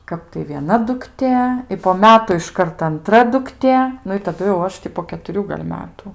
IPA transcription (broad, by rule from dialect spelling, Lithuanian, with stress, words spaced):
ˈkɐp tɐɪ ʋʲiɛˈnɐ dʊkˈtʲeː ɪ poː ˈmʲæːtʊ ɪʃˈkɐrt ɐnˈtrɐ dʊkˈtʲeː ˈnʊ ɪ tɐˈdʊ jɛʊ ˈɐʃ tʲɪ poː kʲɛtʊˈrʲuː ɡɐlʲ ˈmʲæːtʊ